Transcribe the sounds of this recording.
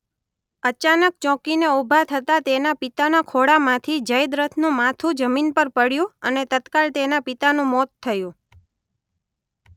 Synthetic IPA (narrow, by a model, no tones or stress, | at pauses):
ət͡ʃanək̚t͡ʃɔ̃kineubʱat̪ʰət̪at̪enapit̪anakʰoɽamãt̪ʰid͡ʒəjd̪ɾət̪ʰnũmat̪ʰũd͡ʒəminpəɾpəɽjũənet̪ət̪kalt̪enapit̪anũmɔt̪ʰːəjũ